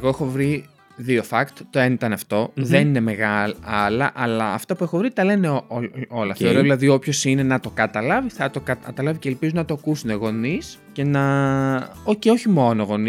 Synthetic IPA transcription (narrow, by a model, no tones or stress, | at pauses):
eɣo̞exo̞vɾi | ðiofɐkt̪t̪oenit̪ɐnɐft̪o̞ðe̞nine̞me̞ɣɐlɐlɐʔɐlɐːft̪ɐpuexovɾit̪ɐle̞neooo̞lɐ̰θeoɾoðilɐðio̞pço̞sine̞nɐt̪o̞kɐt̪ɐlɐviθɐt̪o̞kɐt̪ɐlɐviceːlpizunɐt̪okusuneɣo̞nis | ce̞nɐ | oceoçimo̞noɣo̞ni